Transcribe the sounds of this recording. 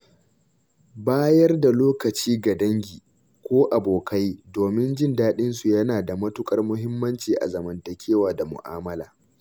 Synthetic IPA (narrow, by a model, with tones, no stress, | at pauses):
baː˦jɐ˦rda˨loː˦kɐ˨t͡ʃiː˦ɡa˨dɐ˦ŋɡʲiː˨ | kʷoː˦ʔa˨boː˨kʰa˦jdoː˨mɪ˦nd͡ʒɪ˦ndaː˦ɗɪ˦nsu˨jɐ˦naː˨da˨mɐ˦tʊ˦kʼɐ˦rmʊ˦ɦɪ˦mːɐ˦nt͡ʃiː˨ʔa̰˨zɐ˨mɐ˨ntɐ˨kʲeː˦waː˨da˨mʊ̰˨ʔa̰ː˦mɐ˦la̰ː˨